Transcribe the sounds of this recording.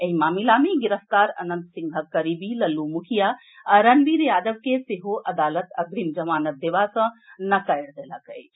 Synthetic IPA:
eɦimaːmilameɡiɾəft̪aɾə̰nə̃nt̪sĩŋɡʱəkːəɾibiləlːumukʰija | əɾənbiɾjaːd̪əbkeseɦoʔəd̪aːlət̪əɡɾimd͡ʒəmaːnət̪̚d̪eʋasə̃nəkajɽd̪eləkəjt͡ʃʰ

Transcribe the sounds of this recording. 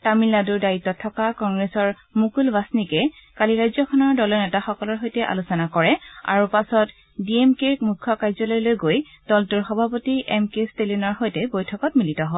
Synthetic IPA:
tamilːaduɹdaitːɔtʰɔkakɔŋɡɹesɔɹ | mukulbasnikɛkaliɹajzɔkʰɔnɔɹdɔlɔnɛtaxɔkɔlɔɹɦojtɛʔa̰lusɔnakɔɹɛa̰ɹupasɔt | biemkemukʰːɔkajzɔlɔjlojɡoj | d̥ɔltuɹxɔbʱapotiɛmkestelinɔɹxɔjtɛbojtʰɔkɔtmilitɔɦɔ

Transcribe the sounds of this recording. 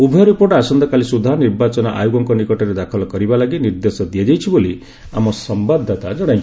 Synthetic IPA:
ubʱjɔɾipoɾɖasɔnd̪ɔkalisud̪ʱaɔniɾbat͡ʃɔnɔʔa̰juɡɔŋkɔnikɔʈɔɾed̪akʰɔlɔkɔɾibalaɡiniɾd̪esɔd̪ijad͡ʒajt͡ʃʰiboli | a̰mɔsɔmbad̪ʱːat̪ad͡ʒɔɽ̃aj̃nt͡ʃ

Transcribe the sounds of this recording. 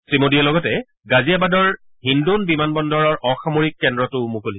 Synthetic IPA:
sɹimodialɔɡɔtɛ | ɡaziabadɔɹ | ɦindunbimanbɔndɔɹɔɹʔɔxamoɹikːɛndɹɔtʊmukoli

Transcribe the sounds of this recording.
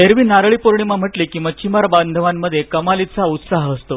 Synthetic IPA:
eɾʋiːnaɾɭipoɾɳimam̤əʈliːkĩw̃ʋat͡ɕimaɾband̪ʱəʋamːəd̪ʱːjekəmalit̪saut̪saɦəst̪o

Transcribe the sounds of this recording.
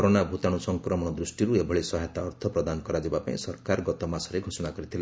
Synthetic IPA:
kɔɾonabʱut̪aɽ̃usɔŋkɾɔmɔɽ̃ɔd̪ɾusʈiɾuebʱɔɭesɔɦajt̪aɔɾt̪ʰɔpɾɔd̪anɔkɔɾad͡ʒibapa̰ĩsɔɾkaɾɡɔt̪ɔmasɔɾeɡʱosɔɽ̃akɔɾit̪ʰile

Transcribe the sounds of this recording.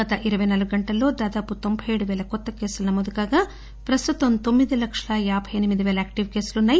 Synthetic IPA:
ɐt̪ɐʔiɾɐʋɐjnɐluɡɡɐɳʈɐlːo̞ːd̪aːd̪aːput̪o̞mbʱɐjeɽuʋɛːlɐkɔt̪ːɐke̞ːsulɐnɐmoːd̪ukaːɡaː | pɾɐst̪ut̪ɐmt̪o̞mːid̪ilɐkʂɐlɐjaːbʱɐjɐnimid̪iʋɛːlɐaːk̚ʈiʋke̞ːsulunːaːji

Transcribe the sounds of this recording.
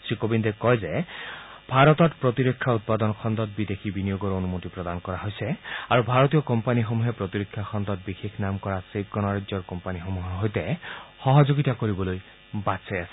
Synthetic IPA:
sɹikobind̪ekɔjze | bʱaɾɔt̪ɔt̪pɹɔt̪iɾekʰːaut̪̚pad̪ɔnɔkʰɔnd̪ɔt̪̚bid̪exʰibinijoɡɔɾonumot̪ipɾɔd̪ankɔɾaɦojsɛaɹubʱaɹɔt̪iɔkɔmpanixomuɦepɾɔt̪iɾokʰːjakʰɔnd̪ɔt̪̚bixekʰnamkɔɹasep̚kɔnaɹazɔɹkɔmpanixomuɦɔɦojt̪ɛxɔɦɔd͡ʒoɡit̪akoɾibɔloj | batsajasʰɛ̥

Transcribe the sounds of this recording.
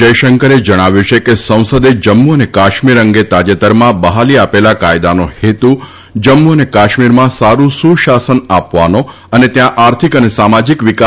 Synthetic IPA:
d͡ʒəjʃəŋkəɾed͡ʒəɽ̃aʋjut͡ʃʰekesə̃w̃səd̪ed͡ʒəmːuənekaʃmiɾəŋɡet̪ad͡ʒet̪əɾmãbəɦaliapelakajd̪anohet̪u | d͡ʒəmːuənekaʃmiɾmãsaɾũsũʃasənapʋano | ənet̪jãʔaɾt̪ʰikənesamad͡ʒikʋika

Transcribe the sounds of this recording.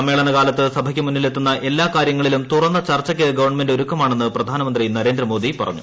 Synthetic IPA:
ɐmːe̞ːɭɐnɐkaːlɐt̪ːɨsɐbʱɐkʲːɨmunːilet̪ːunːɐʔe̞lːaːkaːɾjɐŋːɐɭilumt̪urɐnːɐt͡ɕɐrt͡ɕːɐkʲːɨɡɐʋɐrɳɐme̞ndo̞ɾukːɐmaːɳenːɨprɐd̪ʱaːnɐmɐnd̪rinɐɾe̞ːnd̪ɾɐmo̞ːd̪ipɐrɐ̰ɲːu

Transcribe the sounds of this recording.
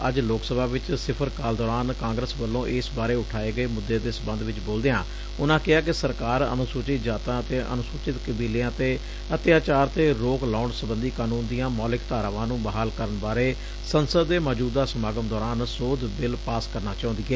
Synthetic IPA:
əd͡ʒloːksəbʱaːʋɪt͡ʃsɪpʰəɾkaːld̪ɔːɾaːnkãːŋɡɾəsbəlːõːʔɪsbaːɾeːʊʈʰaːeːɡəeːmʊd̪ːeːd̪eːsəbə̃nd̪ʋɪt͡ʃboːld̪ejãː | ʊnãːkɪaːkɪsəɾkaːɾə̰nʊsʊːt͡ʃɪt̪d͡ʒaːt̪ãːət̪eːʔə̰nʊsʊːt͡ʃɪt̪kəbiːlejãːt̪eː | ət̪jaːt͡ʃaːɾt̪eːɾoːklaːɳsəbənd̪iːkaːnũːnd̪ijãːmɔːlɪkt̪aːɾaʋãːnũːbaːɦaːlkəɾənbaːɾeː | sənsəd̪ːeːmaːd͡ʒuːd̪aːsəmaːɡəmd̪ɔːɾaːnsoːd̪bɪlpaːskəɾnaːt͡ʃaːʊ̃nd̪iːeː

